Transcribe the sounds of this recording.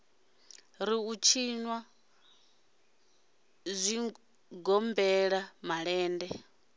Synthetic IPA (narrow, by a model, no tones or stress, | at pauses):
ɾiut͡ʃʰiɲwa | zʷi | ɡɔmbɛɺamaɺɛːndɛ